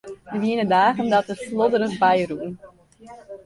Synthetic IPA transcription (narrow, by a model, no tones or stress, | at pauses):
dəʋiənədaːɣəndɔtəslodəɾəχbɛjruən